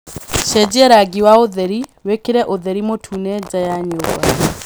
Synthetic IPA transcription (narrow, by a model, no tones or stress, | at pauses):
ʃɛd͡ʑɛɾaɡiwaoðɛɾiwekeɾɛʔoðɛɾimotʰunɛd͡ʑajaɲoːba